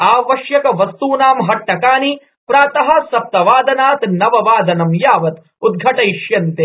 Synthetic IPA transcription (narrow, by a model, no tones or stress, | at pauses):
aːʋɐʃjɐkɐʋɐst̪uːnaːmɦɐʈːɐkaːni | pɾaːt̪ɐɦɐ̆sɐp̚t̪ɐʋaːd̪ɐnaːt̪nɐʋɐʋaːd̪ɐnɐmjaːʋɐt̪ | ud̪̚ɡʱɐʈɐjʃjɐnt̪eː